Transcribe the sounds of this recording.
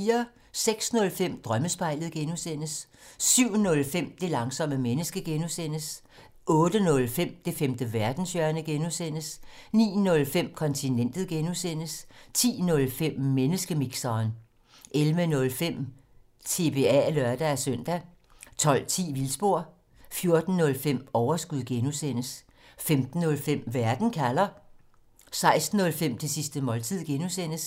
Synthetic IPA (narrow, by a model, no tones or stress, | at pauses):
iːɐ | seɡ̥snɔ̽lfem̰d̥ʁɶməsb̥ɑ̈ɪ̰ləð̞̩ˠɡ̥enusen̰əsː | yʊ̰nɔ̽lfem̰d̥e̝lɑ̈ŋsɒ̽məmenəsɡ̥əɡ̥enusen̰əs | ʔɔ̽ːd̥ənɔ̽lfem̰d̥e̝femd̥əʋæɐd̥n̩sjœɐnəɡ̥enusen̰əsnḭːnɔ̽lfem̰kʰɒ̽nt͡sʰinen̰d̥ð̩ˠɡ̥enusen̰əst͡sʰḭːnɔ̽lfem̰ːenəsɡ̥əmiɡ̥sɐːn | ʔelʋənɔ̽lfem̰ | t͡sʰe̝b̥e̝ælœɐd̥ææsøn̰d̥æ | t͡sʰɒ̽l̰t͡sʰḭːʋilsb̥o̝ɐ̰ | fjo̝ɐd̥n̩ːɔ̽lfem̰ɒʊɐsɡ̥uð̰ˠɡ̥enusen̰əs | femd̥n̩ːɔ̽lfem̰ʋæɐd̥n̩kʰælɐ | sɑ̈ɪsd̥n̩ːɔ̽lfem̰t͡sʰe̝sisd̥əmɒ̽lt͡sʰið̰ˠɡ̥enusen̰əs